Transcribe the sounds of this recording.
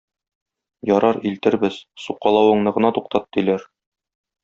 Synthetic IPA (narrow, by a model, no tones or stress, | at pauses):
jɒɾɑɾilt̪ɘ̆ɾbɘz̥suqːɑlˠɑwɤ̆ɴnɤ̆ʁɤ̆nɑt̪uqt̪ɑt̪ːilæɾ